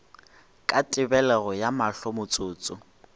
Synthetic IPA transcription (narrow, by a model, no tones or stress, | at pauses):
kʼatʼɪbɛlɛɣɔjamaɬɔmʊt͡sʼʊːt͡sʼʊ